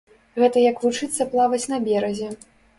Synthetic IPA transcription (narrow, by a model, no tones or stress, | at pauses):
ɣɛt̪ɐjɐkvut͡ʂɨt̪sːɐplˠavɐt͡sʲnɐbʲɛɾɐzʲɛ